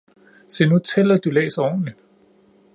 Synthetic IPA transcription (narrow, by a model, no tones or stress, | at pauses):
se̝nut͡sʰelɐd̥ulḛːsɐɒːni